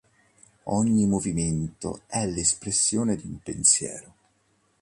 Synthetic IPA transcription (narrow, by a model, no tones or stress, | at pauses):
ɔɲːimoviment̪o̰ɛlespɾesːjoːned̪iumpensjɛ̰ːɾo